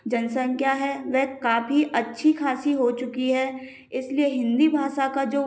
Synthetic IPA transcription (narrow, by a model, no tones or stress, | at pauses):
d͡ʒɐnsənkjaːɦɛʋɛɦkaːfiʔɐtːʃʰikʰaːsiɦot͡ʃʊkiɦɛː | ɪslieɦɪ̃nd̪ibʱaːʃakad͡ʒoː